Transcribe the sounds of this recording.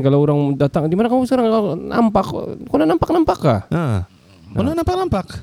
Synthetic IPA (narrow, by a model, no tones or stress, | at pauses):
kalooɾaŋdat̪aŋdimanakamusəkaɾaŋkalna̰mpakkonanampak̚nampakːaa | konanampak̚nampak